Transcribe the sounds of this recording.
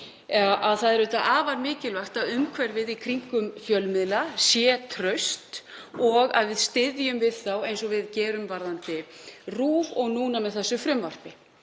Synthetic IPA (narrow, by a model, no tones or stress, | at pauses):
ʔaðθaðɛɾʏːt̪aʔaːvaɾmɪːcɪlvaht̪aðʏmkʰvɛɾvɪðikʰɾiŋ̥kʏmfjœlmɪðlasjɛːt̪ʰɾœɥst̪ | ɔɣa̰ðvɪðst̪ɪðjʏmvɪðθawejnsɔvɪðcɛːɾʏmvaɾðant̪ɪruːvɔɣnuːnamɛðθɛsːʏfɾɪmvar̥pɪ